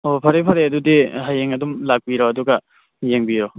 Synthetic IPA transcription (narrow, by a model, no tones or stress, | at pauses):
opʰɐɾepʰɐɾeɐdudiɦajeŋɐdumlak̚biɾoɐduɡɐ | jeŋbiɾo